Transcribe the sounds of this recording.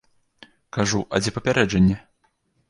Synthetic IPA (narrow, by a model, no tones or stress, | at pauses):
kaʐuʔɐ̰d͡zʲɛpɐpʲaɾɛd͡ʐɐnʲːɛ